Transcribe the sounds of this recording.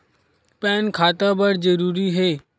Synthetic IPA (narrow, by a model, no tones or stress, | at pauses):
pɛːnkʰaːt̪abəɽd͡ʒəɾuːɾiɦeː